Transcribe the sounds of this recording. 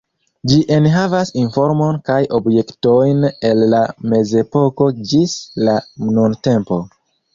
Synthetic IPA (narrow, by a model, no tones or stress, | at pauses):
d͡ʒiʔe̞nɦavasinfo̞ɾmo̞nkajʔo̞bje̞kto̞jne̞lːame̞ze̞po̞ko̞d͡ʒislanunte̞mpo̞